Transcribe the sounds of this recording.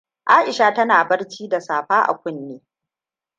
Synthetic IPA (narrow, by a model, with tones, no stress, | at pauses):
ʔaː˦ʔɪ˨ʃaː˦tɐ˦naː˨bɐ˦rt͡ʃiː˦da˨saː˨ɸaː˦ʔa̰˨kʷʊ˦nːeː˦